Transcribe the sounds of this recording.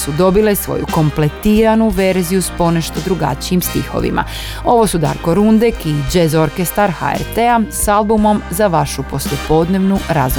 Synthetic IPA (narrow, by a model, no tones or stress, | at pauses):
sud̪o̞bilesʋo̞̰jṵko̞mplet̪iːɾanuʋe̞ɾzijuspo̞ne̞ʃt̪od̪ɾuɡa̰t͡ɕijimst̪ḭxo̞̰ʋḭma̰ | o̞ʋo̞sud̪a̰ɾko̞ɾund̪ekid͡ʒezo̞ɾkest̪aɾxa̰ḛɾt̪easalˠbumo̞mzaʋaʃupo̞slje̞po̞d̪ne̞ʋnuɾaz